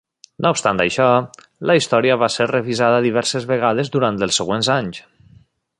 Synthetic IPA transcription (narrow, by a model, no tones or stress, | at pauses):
nʔoupst̪ant̪ajʃɔ | ləist̪ɔɾiəβaseɾreβizaðəðiβɛɾsezβeɣaðezd̪uɾant̪əlˠsːeɣwenzaɲs